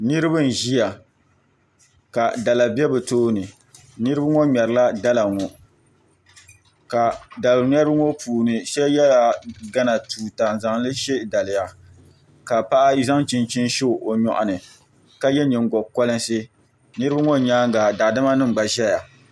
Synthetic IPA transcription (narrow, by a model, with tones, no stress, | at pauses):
nɨ˦ɾɨ˦bɨ˦n̩˨ʒi˦ja˨ | ka˨da˨la˨bɛ˦bɨ˨toː˦nɨ˨ | nɨ˦ɾɨ˦ba˦ŋo˦ɲɛ˨ɾɨ˨la˦da˦la˨ŋɔ˨ | ka˨da˨lɲ˦ɛ˦bɨ˦ŋo˦pʰuː˨nɨ˨ʃɛ˦jɛ˦la˨ɡa˦na˨tuː˨ta˨n˨za˨ŋlɨ˦ʃe˦da˨lɪ˨ja˨ | ka˨pa˦ʔa˦za˦ŋt͡ʃi˦nt͡ʃi˦nʃo˦˨ʔo˨ɲɔ̰˨ʔa̰˨nɨ˨ | ka˦jɛ˦ɲi˨ŋ˨ɡɔ˨kɔ˦lɨ˦nsɨ˦ | nɨ˦ɾɨ˦ba˦ŋo˦˨ɲaː˦ŋ˦ɡa˨da˨dɨ˦ma˦nɨ˦ŋ˨ɡ͡ba˨ʒɛ˦ja˨